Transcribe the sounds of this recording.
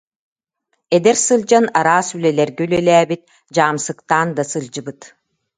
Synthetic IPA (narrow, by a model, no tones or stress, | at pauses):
ɛd̪ɛɾsɯld͡ʑanaɾaːsylɛlɛɾɡɛylɛlæːbit̪̚ | d͡ʑaːmsɯkt̪aːnd̪asɯlˠd͡ʑɯbɯt̪